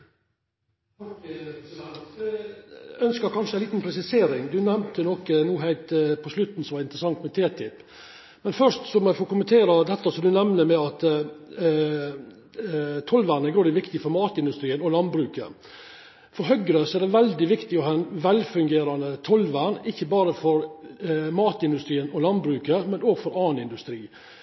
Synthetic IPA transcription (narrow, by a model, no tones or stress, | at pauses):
œnskəɾkʰɑnʂəæɪliːt̪n̩pʰɾɛsɪseːɾɪŋd̪ʉnɛmt̪ənɔkənuːɦæɪlt̪pʰɔslʉt̪n̩sɔmʋɑɾɪnt̪əɾəsɑŋt̪mɛt̪ʰeːt̪ʰɪpː | mɛnfœʂt̪sɔmɛfɔkʊmənt̪ʰeːɾɑd̪ɛt̪ːɑsɔmd̪ʉnɛmnəmɛɑt̪ | t̪ʰɔlʋæːɾɳəɡɾoːd̪ɪʋɪkt̪ɪfɔɾmɑːt̪ɪnd̪ʉst̪ɾiːənɔlɑnbɾʉːkə̰ | fɔɾɦœɡɾəsɔɛɖ̪ɛʋɛld̪ɪʋɪkt̪ɪɔɦɛnʋɛlfʉŋɡeːɾɑnət̪ʰɔlʋæːɳɪçːəbɑːɾəfɔɾ | mɑːt̪ɪnd̪ʉst̪ɾiːənɔlɑnbɾʉːkəmɛnoːɡfɔɾɑːnɪnd̪ʉst̪ɾiː